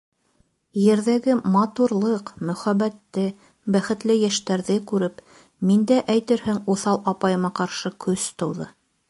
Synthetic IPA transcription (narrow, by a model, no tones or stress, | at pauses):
jɘ̆ɾðæɡɘmɑt̪uɾlˠɤqmɵ̆χæbæt̪ːɘ | bæχɘ̆t̪lɘjæʃt̪æɾðɘkʉɾɘp | mind̪æʔæjt̪ɘɾhɘŋuθɑlˠʔɑpɑjɤ̆mɑqɑɾʃɤkʰɵst̪ɤ̆wðɤ̰